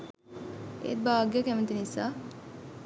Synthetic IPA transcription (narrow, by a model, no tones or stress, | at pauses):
ḛt̪̚baːɡjəkɛment̪inisa